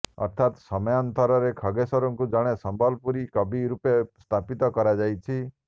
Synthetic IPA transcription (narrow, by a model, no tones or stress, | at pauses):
ɔ̰ɾt̪ʰat̪sɔmɔjant̪ɔɾɔɾekʰɔɡesɔɾɔŋkud͡ʒaɽ̃esɔmbʱɔlpuɾikɔbiɾupest̪ʰapit̪ɔkɔɾad͡ʒajt͡ʃʰi